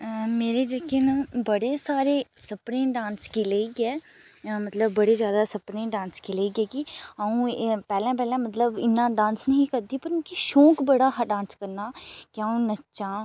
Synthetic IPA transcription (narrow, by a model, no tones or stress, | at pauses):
meːɾeːd͡ʒəkeːnabəɽeːsaːɾeːsəpɾẽːɖãːnskileiɡɛːmət̪ləbːəɽeːzjaːd̪aːsəpɾẽːɖãːnskileiːɡɛːɡiaːũːpɛːlɛ̃ãːp̬ɛːlãːmət̪ləbɪ̰nːãːɖãːnsnəɦĩːkəɾd̪iːpəɾkiʃõːkbəɽaːɦɖãːnskəɾnaːkɪaːũːnət͡ʃãː